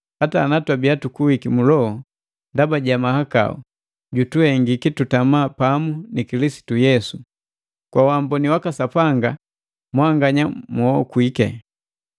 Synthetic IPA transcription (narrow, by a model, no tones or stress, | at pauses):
hataːnatwabiatukuwikimulɔɔ | ndabaɟamahaka̰ɔ̰ | ɟutuhɛŋɡikitutamaːpamunikilisi̥tujɛsu | kwawambɔniwakasapaŋɡa | mwaŋɡaɲamɔɔkwikɛ̰